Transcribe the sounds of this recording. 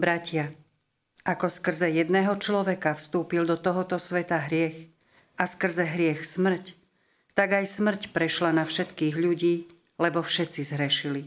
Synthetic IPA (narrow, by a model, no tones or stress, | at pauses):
bɾacɪa | akɔskr̩zɛjɛd̪nɛːɦɔt͡ʃlɔʋɛkafst̪uːpild̪ɔt̪ɔɦɔt̪ɔsʋɛt̪aɦɾɪɛx | askr̩zɛɦɾɪɛxsmr̩c | t̪aɡajsmr̩cpɾɛʃlanafʃɛt̪kiːɣʎuɟiː | lɛbɔfʃɛtt͡sizɦɾɛʃili